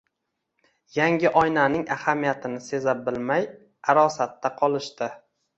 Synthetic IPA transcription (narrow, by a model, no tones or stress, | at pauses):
jaŋʲɪʔɒjnanɪŋahamijat̪ʰɪnɪse̞zabɪlmaj | aɾɒsat̪ːaqʰɒlˠɪʃt̪ɪ